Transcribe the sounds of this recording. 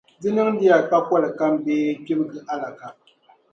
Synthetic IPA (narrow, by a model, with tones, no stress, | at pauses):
d͡zi˦nɨ˦ŋdi˦ja˨ka˦kɔ˦lka˦mbeː˦kʲi˦bɡɨ˨ʔa˦la˨ka˨ʔ